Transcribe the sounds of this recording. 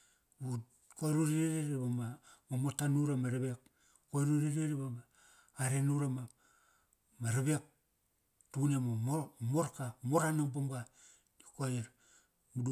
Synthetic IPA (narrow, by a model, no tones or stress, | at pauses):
bu | koɾuɾiɾeɾeɾibamamamotanuɾamaɾaβek | koeɾuɾiɾeɾibamaː | ɾenuɾama | maɾaβek̚ | tunemomomoɾkamoɾanaŋbomɡa | dikojeɾ | mudu